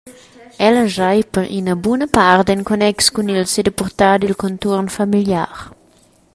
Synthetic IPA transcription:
ɛlɐʒajpəɾʔḭnɐbunɐpaɾd̪eŋkonɛkskunilsed̪əpuɾt̪ad̪ilkont̪uɾnfamilja̰ɾ

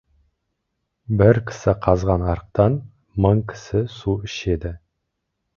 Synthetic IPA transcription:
bɪɾkʲʰɪ̥sɪqʰɑzʁɑnɑɾəq̚t̪ɑn | məɴkʲʰɪ̥sɪsuɪʃe̞d̪ɪ

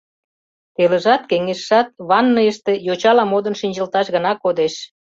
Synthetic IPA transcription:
t̪eləʒɑt̪̚keŋeʃːɑt̪̚βɑnːəjəʃt̪e̽jot͡ɕɑlɑmod̪ənʃinʲd͡ʑəlt̪ɑʃɣə̆nɑkod̪eʃ

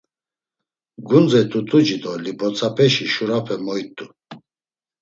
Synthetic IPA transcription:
ɡund͡zɛt̪ʰʼut̪ʼud͡ʒid̪ɔlipʰɔt͡sʰʼapʰɛʃiʃuɾapʰɛmɔjt̪ʼːu

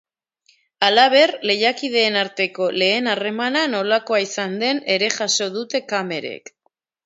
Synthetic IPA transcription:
alaβ̞e̞rle̞jakið̞e̞ːnaɾt̪e̞ko̞le̞ːnare̞manano̞lako̞aisand̪e̞ne̞ɾe̞ʝaso̞ð̞ut̪e̞kame̞ɾḛk

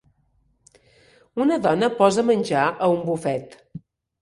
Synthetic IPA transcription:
unəðɔnəpɔzəmənʲd͡ʒaʔəumbufɛt̪

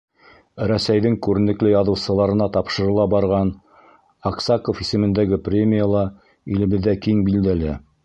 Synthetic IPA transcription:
ɾæsæjðɘŋkʉɾɘ̆nɘ̆klɘjɑðɤ̆wsɤ̆lˠɑɾɤ̆nɑt̪ɑpʃɤ̆ɾɤ̆lˠɑbɑɾʁɑn | ɑqsɑkofisɘ̆mɘ̆nd̪æɡɘprʲemʲijalˠɑ | ilɘ̆βɘ̆ðːækiŋbild̪ælæ

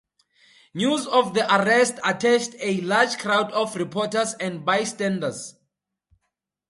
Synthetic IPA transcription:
njuzɔfðiʔaɹɛstatʰɛstelad͡ʒkʰɹawdɔfɹipʰɔtəsɛ̃ndbajstɛ̃ndas

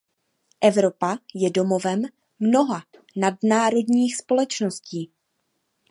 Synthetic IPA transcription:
ʔɛvɾo̞pajɛdo̞mo̞vɛmː | no̞ɦa | nadnaːɾo̞dɲiːxspo̞lɛt͡ʃno̞sciː

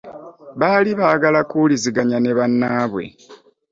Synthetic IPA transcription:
βaːliβaːɡalakuliziɡaɲane̞βanːaːβwe̞̰

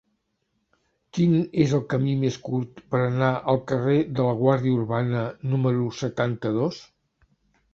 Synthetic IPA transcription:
kinezəlˠkəmimeskuɾt̪pəɾənaʔəlˠkəreðələɣ̞waɾðiəuɾβanənuməɾusət̪ant̪əðos

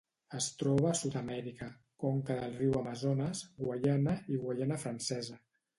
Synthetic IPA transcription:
əst̪ɾɔβ̞əːsut̪əmɛɾikə | kɔŋkəðəlˠriwamazonəzɣwaʎanəiɣwaʎɛnəfɾansɛzə

